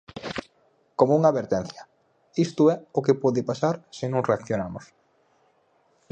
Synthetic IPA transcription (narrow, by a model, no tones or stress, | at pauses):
komouŋaβeɾt̪ɛn̟θjɐ | ist̪ʊɛʊkepɔðɪpasaɾsɪnõŋreakθjonamos